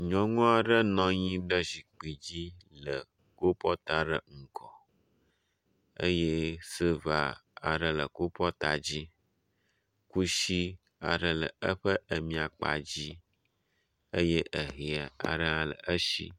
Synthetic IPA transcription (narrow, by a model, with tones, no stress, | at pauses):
ɲɔ̃˦ŋɔ̃˦a˨ɖə˦nɔ̃˦ɲĩ˦ɖə˦zi˨k͡pi˨d͡ʑi˦lə˨ | ko˦pɔ˦t̪a˦ɖə˦˨ŋ̩˨kɔ˨ | ə̰˦je˦sə˦va˦a̰˨ɖə˦lə˨ko˦pɔ˦t̪a˨d͡ʑi˦ | ku˦ʃi˦ | a˨ɖə˨lə̰˨ə˦ɸə˦ʔə˨mĩ˨a˨k͡pa̰˨d͡ʑi˦ | ə˦je˦ʔə˨ɦi˨a˨a̰˨ɖə˦ã˦lə̰˨ʔə˦ʃḭ˦